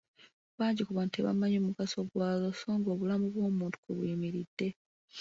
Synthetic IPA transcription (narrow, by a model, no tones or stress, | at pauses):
βaːɲɟikuβanteβa̰maɲoːmukaso̞ɡwaːloso̞ːŋɡo̞ːβulamuβwo̞ːmuːntu̥kuβwemiɾidːe̞